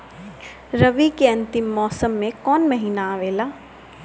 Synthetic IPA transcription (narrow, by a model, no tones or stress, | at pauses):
ɾɐʋikeɐ̃nt̪ɪmːɔːsəmːẽkɔːnmɐɦiːnaaːʋeːlaː